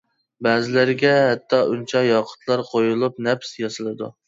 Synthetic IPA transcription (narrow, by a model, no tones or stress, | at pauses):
bæːzɪlɪɾɪɡʲɛɦɛt̪ʰːɑʔunt͡ʃʰɑjɑqʰʊ̥t̪ʰlˠɑɾqʰojulˠup̚nɛpsjɑsɨlˠɨd̪ṵ